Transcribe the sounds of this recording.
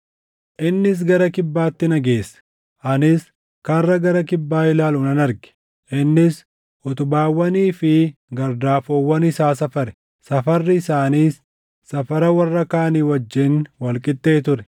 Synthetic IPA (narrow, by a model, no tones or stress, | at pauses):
ʔɪnːɪs̬ɡɐɾɐkɪbːaːt̪ːɪnɐɡe̞ːsːɐ̥ | ʔɐnɪs | kɐrːɐɡɐɾɐkɪbːaːɪlaːlʊnɐnɐɾɡɛ̥ | ʔɪnːɪs | ʔʊt̪ʊbaːwːɐniːfɪ | ɡɐɾd̪aːfoːwːɐnɪsaːs̬ɐfɐɾɛ̥ | sɐfɐrːɪɪsaːniːsː | ɐfɐɾɐwɐrːɐkaːniːwɐd͡ʒːɪnwɐlkʼɪt̪ːe̞ːt̪ʊɾɛ̥